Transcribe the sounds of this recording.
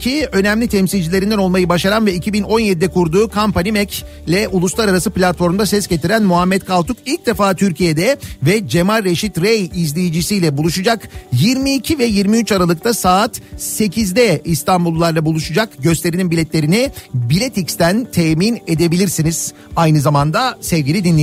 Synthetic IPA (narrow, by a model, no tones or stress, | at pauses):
cʰiø̞næmlʲit̪ʰɛmsilʲd͡ʒilʲeɾind̪ɛno̞lˠmajɯbaʃaɾanvɛicʰibino̞njed̪id̪ɛkʰuɾd̪uːkʰampanʲimɛc | lʲɛʔulˠuslˠaɾaɾasɯplʲat̪fo̞ɾmd̪asɛsɟet̪ʰiɾænmuɦamːɛt̪kʰalˠt̪ukilʲc̚d̪e̞faːt̪ʰyɾcije̞d̪ɛvɛd͡ʒe̞malːeʃit̪ɾejizlʲijid͡ʒisijlʲɛbulˠuʃud͡ʒakjiɾmiːcʰivɛjiɾmiyt͡ʃaɾalˠɯk̚t̪ʰasaːt̪se̞cʰizd̪ɛist̪ambulˠːaɾlˠabulˠuʃud͡ʒakɟø̞st̪ʰe̞ɾininbilʲɛt̪lʲe̞ɾinibilʲet̪ʰicst̪ænt̪ʰeːmine̞d̪e̞bilʲiɾsiniz̥ | ajnɯzamand̪asɛvɟʲilʲid̪inlʲːei